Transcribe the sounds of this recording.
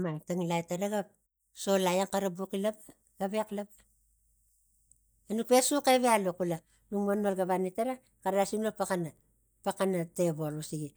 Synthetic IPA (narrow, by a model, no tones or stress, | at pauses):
mataŋilajtaɾaɡap̚ | so̞lajaŋkaɾabukilap | ɡ̥abeklap | anuk̚pesukeβealukula | nuŋmanolɡaβanitaɾa | kaɾasinopakana | pakanateβolusiɡi